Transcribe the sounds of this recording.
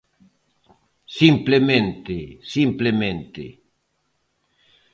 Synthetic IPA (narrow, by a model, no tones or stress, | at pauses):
simplemẽnt̪esimplemẽnt̪ḛ